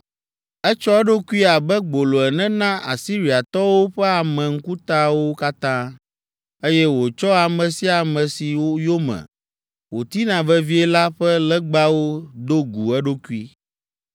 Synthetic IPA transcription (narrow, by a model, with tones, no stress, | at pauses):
ɛ˦t͡ʃɔ˦ɛ˦ɖo˦ku˦i˦a˨bɛ˦ɡ͡bo˨lo˨ɛ˨nɛ̃˦nã˦ʔa̰˨si˦ɾi˨a˨t̪ɔ˦wo˦ɸɛ˦a˨mɛ̃˨ŋ̩˦ku˦t̪a˦wo˦ka˦t̪ã˦ | e˦jɛ˦wo˨t͡ʃɔ˦a˨mɛ̃˨si˦a˨mɛ̃˨si˨wo˦jo˦mɛ̰̃˨ | wo˨t̪i˦nã˨vɛ˦vi˦ɛ˦la˦ɸɛ˦lɛ˦ɡ͡ba˦wo˦d̪o˦ɡu˨ɛ˦ɖo˦ku˦i˦